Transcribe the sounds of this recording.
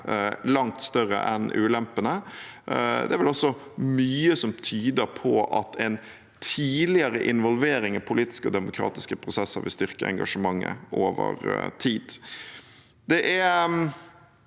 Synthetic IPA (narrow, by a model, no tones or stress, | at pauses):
lɑŋt̪st̪œɾə̰ʔɛnʉ̰ːlɛmpənə | d̪ɛæɾʋɛlɔsːɔ | myːəsɔmt̪ʰyːd̪əɾpʰɔʔɑ̰t̪ʰɛɪn | t̪ʰiːlɪəɾəʔɪnʋɔlʋeːɾɪŋɑpʰʊliːt̪ɪ̥skəɔ̰d̪ɛmʊkʰɾɑ̰ːt̪ɪskəpʰɾʊsɛsːə̰ɾʋɪst̪ʏɾkəɛ̰ŋɡɑ̰ʂəmɑŋːə̰ʔoːʋə̰ɾt̪ʰiːd̪̥ | d̪ɛʔæɾ